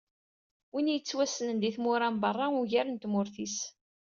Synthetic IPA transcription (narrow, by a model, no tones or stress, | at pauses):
winjət͡sːwæsənənd̪iθmʊɾambərˤːɑʊʝæɾənt̪mʊɾθis